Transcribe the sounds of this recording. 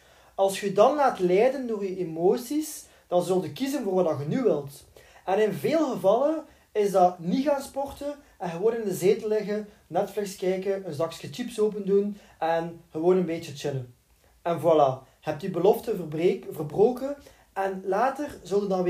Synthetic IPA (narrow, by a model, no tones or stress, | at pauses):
ɑlˠsxədɑnlaːtlɛjdəndoːryemoːsis | d̥ɑnzɵlˠtykizənvoːrʋɑdɑɣənyʋɪlˠt | ɛnɪnveːlˠɣəvɑlˠən | ɪzdɑniɣaːnspɔrtən | ɛnɣəʋoːnɪndəzeːtəlɪɣə | nɛtflɪkskɛjkəənzɑkskət͡ʃipsoːp̬əndun | ɛnɣəʋoːnənbeːt͡ʃətɪnə | ɛnvɑla | hɛp̚tybəlɔftəvərbroːkən | ɛnlaːtərzɵlˠdəndɑnʋ